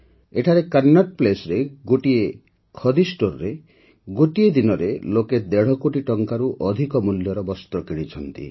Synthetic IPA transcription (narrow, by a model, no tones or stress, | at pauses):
eʈʰaɾekaɾnːaʈ̚plesɾeɡoʈie | kʰɔd̪ʱisʈoɾɾe | ɡoʈied̪inɔɾeloked̪eɽ̤ɔkoʈiʈɔŋkaɾuʔɔd̪ʱikɔmuljɔɾɔbɔst̪ɾɔkeɽit͡ʃʰɔnt̪ḭ